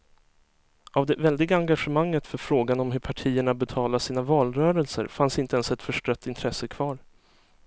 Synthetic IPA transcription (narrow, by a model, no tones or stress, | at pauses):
ʔavd̪ɛvɛld̪ɪɡaaŋɡaɧəmaŋːət̪fœɾfɾoːɡanɔmɦɵɾpʰaʈʰiːəɳabɛt̪ʰɑːlasiːnavɑːlɾœːɾəlsə̰ɾfansɪnt̪əɛnsɛt̪fœʂʈœt̪ːɪnt̪ʰɾɛsːəkʰvɑːɾ